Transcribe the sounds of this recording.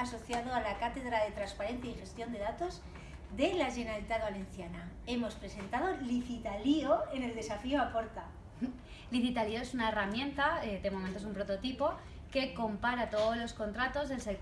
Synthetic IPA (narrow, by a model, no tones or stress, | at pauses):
aso̞θjaðo̞alakat̪e̞ðɾaðe̞t̪ɾanspaɾe̞nθjaixe̞st̪jo̞nd̪e̞ðat̪o̞z | ðe̞laʒe̞nalit̪aðβale̞n̟θjana | e̞mo̞spɾe̞se̞nt̪að̞o̞liθit̪alioene̞ld̪e̞safioapo̞ɾt̪a | liθit̪alio̞e̞sunaeramjẽ̞nt̪ad̪e̞moment̪o̞sumpɾo̞t̪o̞t̪ipo̞ | ke̞ko̞mpaɾat̪oðolo̞sko̞nt̪ɾat̪o̞zðe̞lsek